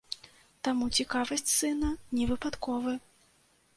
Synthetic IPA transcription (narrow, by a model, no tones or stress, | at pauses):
t̪amut͡sʲikavɐsʲt͡sʲsɨnɐnʲɛvɨpat̪kɔvɨ